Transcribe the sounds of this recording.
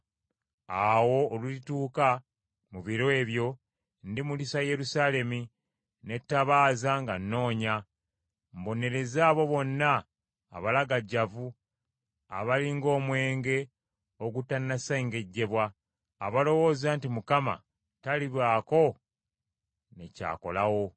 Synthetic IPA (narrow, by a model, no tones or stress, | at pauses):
awo̞ːlulituːka | muβiɾoe̞ːβjo̞ | ndimulisaje̞ɾusaːle̞mi | ne̞tːaβaːzaŋɡanːo̞ːɲa | mbo̞ne̞ɾe̞zaːβo̞βo̞nːa̰ː | βalaɡaɟːavu | a̰βaliŋɡo̞ːmwe̞ːŋɡe̞ | oɡutːanːaseŋɡe̞ɟːe̞βwa̰ː | βalo̞wo̞ːzantimukama̰ | taliβwaːko̞ | neca̰ːko̞̰lawo̞